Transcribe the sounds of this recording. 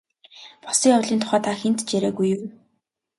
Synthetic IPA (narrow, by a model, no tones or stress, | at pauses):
pɔ̥siːŋawɮiːnt̪ʊ̥χæːt̪ʰaxent̪t͡ɕæɾeːɡujɘw